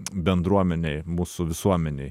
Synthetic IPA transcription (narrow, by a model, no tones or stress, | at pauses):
bʲɛnd̪ɾuɔmʲɛnʲɛɪmuːsʊʋʲɪsuɔmʲɛnʲɛɪ